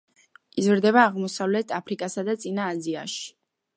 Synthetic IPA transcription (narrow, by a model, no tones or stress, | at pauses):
izɾd̪ɛβaːʁmɔsavlɛt̪ʰapʰɾikʼasad̪at̪sʼinaːzia̰ʃi̥